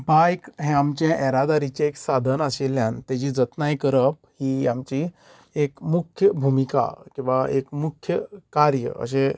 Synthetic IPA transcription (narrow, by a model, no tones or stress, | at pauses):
bajkɦẽamt͡ɕjãʔɛɾad̪aɾit͡ɕeeksad̪ʱənaseljãnt̪jad͡ʑiːd͡zət̪najkəɾəp̚hiːamt͡ɕi | ekmukʰjəbʱumika̰kĩw̃ʋaekmukʰjəkaɾjə̰ə̰ɕẽ